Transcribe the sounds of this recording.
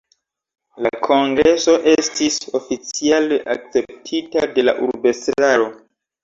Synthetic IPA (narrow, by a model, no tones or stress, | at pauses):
lakʰo̞ŋɡɾe̞so̞ʔe̞stiso̞fit͡sialeʔa̰k̚t͡se̞p̚tʰitade̞la̰ʔuɾbe̞stɾaɾo̞